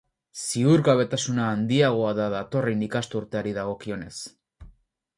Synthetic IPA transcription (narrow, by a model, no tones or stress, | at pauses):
siuɾɣaβe̞t̪asunaːnd̪iaɣ̞o̞aðaðat̪o̞renikast̪uɾt̪e̞aɾiðaɣ̞o̞kio̞ne̞s